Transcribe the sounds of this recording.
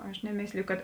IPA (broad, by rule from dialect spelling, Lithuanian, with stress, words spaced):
ˈɐʃ nʲɛˈmʲeːsʲlʲɪjʊ kɐt